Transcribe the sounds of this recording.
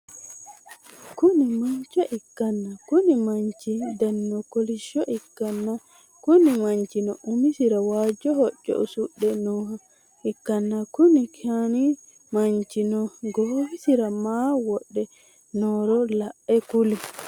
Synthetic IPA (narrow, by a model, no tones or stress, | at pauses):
kunimaɲt͡ʃɔʔikːanːakunimaɲt͡ʃidanːɔkoliʃɔʔikːanːa | kunimaɲt͡ʃinɔʔumisiɾawad͡ʒɔhɔt͡ʃːɔ̰ʔusuɗːɛnɔɦa | ʔikːanːakunikʰani | maɲt͡ʃinɔɡowisiɾamawɔɗːɛ | nɔɾɔlaʔɛkuli